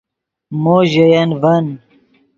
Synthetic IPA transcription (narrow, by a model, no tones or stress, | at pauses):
moːʑɐjɐnvɐn